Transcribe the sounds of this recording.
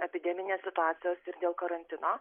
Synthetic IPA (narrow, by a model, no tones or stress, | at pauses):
ɛpʲɪd̪ʲɛmʲɪnʲeːssʲɪt̪ʊaːt̪sʲɪjoːsɪɾd̪ʲeːlˠkɐɾɐnʲt̪ʲɪnoː